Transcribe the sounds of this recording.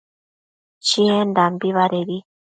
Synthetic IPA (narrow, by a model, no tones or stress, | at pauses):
t͡ʃiend̪ambiβaɾeɾi